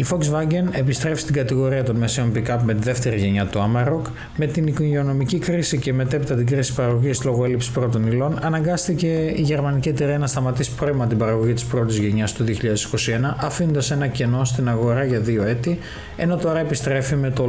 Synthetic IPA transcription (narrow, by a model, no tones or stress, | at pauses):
ifo̞ksvɐɟe̞ne̞pist̪ɾe̞fi̥st̪iɡɐt̪iɣo̞ɾiɐt̪o̞nme̞sio̞npikɐpme̞t̪iðe̞ft̪e̞ɾiʝe̞ɲɐt̪uɐmɐɾok | me̞t̪inikoʝeo̞no̞micikɾisiceme̞t̪e̞pit̪ɐt̪iɡɾisi̥pɐɾɐɣoʝislo̞ɣo̞e̞lipsi̥pɾo̞t̪o̞nilo̞nɐnɐŋɡɐst̪ice̞iʝe̞ɾmɐnicit̪iɾiɐnɐst̪ɐmɐt̪isi̥pɾo̞imɐt̪ibɐɾɐɣo̞ʝit̪i̥spɾo̞t̪izʝe̞ɲɐst̪uðio̞çiʎɐðe̞si̥ko̞sie̞nɐʔɐfinond̪ɐse̞nɐceno̞st̪inɐɣo̞ɾɐʝɐðio̞e̞t̪i | e̞̰no̞t̪o̞ɾɐepist̪ɾe̞fime̞t̪o